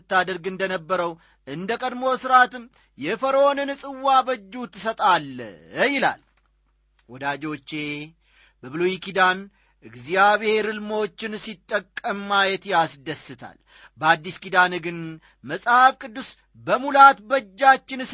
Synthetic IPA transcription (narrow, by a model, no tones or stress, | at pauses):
ɨt̪ːad̪əɾɡɨnd̪ənəbːəɾəw | ʔɨnd̪əkʼəd̪mo̞sɨɾat̪ɨm | jɛfəɾo̞nɨnɨsʼɨwːabəd͡ʒːut̪ʰːɨsət̪ʼalːəjɪla̰l | wɔd̪ad͡ʒo̞t͡ʃːe̞ | bəβɨlojikid̪an | ʔɨɡzijaβehe̞ɾɨlmo̞t͡ʃːɪnsit̪ʼːəkʼːəmːajɛt̪jasd̪əsːɨt̪ʰa̰l | bəad̪ːiskid̪anɨɡɨn | məsʼhafkʼɨd̪ːus | bəmulat̪bəd͡ʒːat͡ʃːɪns